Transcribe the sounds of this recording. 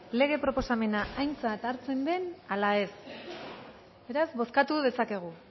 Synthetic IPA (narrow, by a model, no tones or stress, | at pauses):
le̞ɣ̞e̞pɾo̞po̞same̞naʔajnt͡sat̪aɾt͡se̞nd̪e̞nalae̞s | be̞ɾazβo̞skat̪uð̞e̞sake̞ɣ̞u